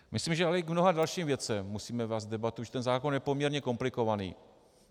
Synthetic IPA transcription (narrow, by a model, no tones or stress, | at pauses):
mɪsliːmʒɛalɛɡmno̞ɦadalʃiːmvjɛt͡sɛmmusiːmɛvɛːzdɛbat̪uʒɛt̪ɛnzaːkonjɛpomɲɛɾɲɛko̞mplɪko̞vanḭː